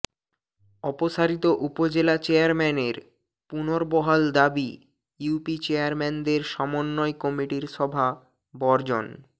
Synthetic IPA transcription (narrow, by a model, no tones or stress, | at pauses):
ɔpoʃaɾit̪oʔupod͡ʑelat͡ɕeaɾmɛneɾ | punoɾbɔɦald̪abi | jupit͡ɕeaɾmɛnd̪eɾʃɔmonːɔekɔmiʈiɾʃɔbʱa | bɔɾd͡ʑon